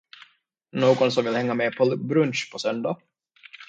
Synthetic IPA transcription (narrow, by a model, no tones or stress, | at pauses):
noːɡɔnsɔmvɪlhɛŋːameːpʰɔbɾɵnɕpʰɔsœnd̪a